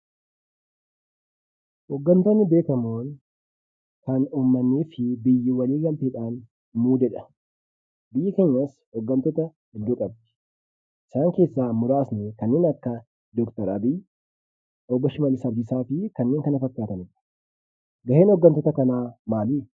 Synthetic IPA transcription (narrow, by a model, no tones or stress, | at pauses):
hɔɡːɐnt̪onːɪbe̞ːkɐmoːn | kɐnuːmːɐnːiːfɪbɪjːɪwɐliːɡɐlt̪eːᶑaːn | muːd͡ʒɛᶑɐ̥ | bɪjːɪkeːɲːas | ɔɡːɐnt̪ɔt̪ɐ | ɪdd̪uːkʼɐb̚d̪ɪ̥ | ʔɪ̥saːŋke̞ːsːaːmʊɾaːsnɛkɐnːeːnɐkːɐ | d̪ɔkt̪ɐɾɐ̰bij | ʔɔbːɔʃɪmɐlɪsɐbd͡ʒ̪ɪsaːfɪkɐnːeːŋkɐnɐfɐkːaːt̪ɐnɪᶑɐ̥ | ɡɐheːnhɔɡːɐnt̪ɔt̪ɐkɐnaːmaːliː